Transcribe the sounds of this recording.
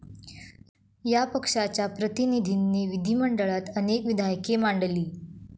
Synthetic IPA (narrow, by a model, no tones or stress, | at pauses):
japəkʂat͡ɕjapɾət̪inid̪ʱinːeʋid̪ʱiməɳɖəɭat̪ənekʋid̪ʱajəkemaɳɖəliː